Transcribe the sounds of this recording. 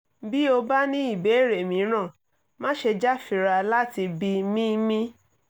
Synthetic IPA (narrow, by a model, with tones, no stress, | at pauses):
bi˦o˧ba˦nĩ˦i˦˨be˨˦˨ɾe˨mĩ˨˦ɾ̃ã˦˨ | mã˦ʃe˧d͡ʒa˦fi˨ɾa˧la˦ti˧bi˧mĩ˦mĩ˦